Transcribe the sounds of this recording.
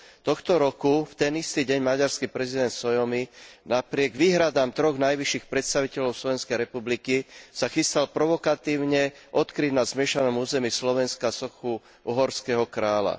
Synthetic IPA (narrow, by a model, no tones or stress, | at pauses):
t̪ɔxt̪ɔɾɔkuft̪ɛnist̪iɟɛɲmaɟaɾskipɾɛzid̪ɛnt̪sɔjɔminapɾɪɛɡʋiːɦɾad̪aːmt̪ɾɔɣnajʋiʃːixpɾɛt̪st̪aʋicɛʎɔʊslɔʋɛnskɛjɾɛpublikisaxist̪alpɾɔʋɔkat̪iːʊɲɛʔɔt̪kɾiɟ̪nazmɪɛʃanɔmuːzɛmiːslɔʋɛnskasɔxu | ʔɔɦɔɾskɛɦɔkɾaːla̰